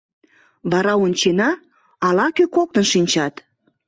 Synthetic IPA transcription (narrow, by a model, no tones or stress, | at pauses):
βɑɾɑonʲt͡ɕenɑː | lɑkøkok̚t̪ənʃinʲt͡ɕɑt̪